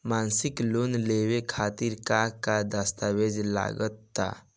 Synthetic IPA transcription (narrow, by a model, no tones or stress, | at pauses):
mansiklonlewekʰat̪iɾkakad̪əst̪aʋed͡ʒla̰ɡət̪ːa̰